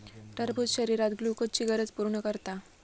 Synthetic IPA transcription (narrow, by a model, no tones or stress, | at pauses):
ʈəɾbut̪ɕəɾiɾat̪ɡlukot͡ɕiɡəɾət͡spuɾɳəkəɾt̪a